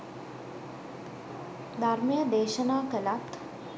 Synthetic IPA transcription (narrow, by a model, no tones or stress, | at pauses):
d̪ʱaɾməjəd̪eːʃənaːkəlat̪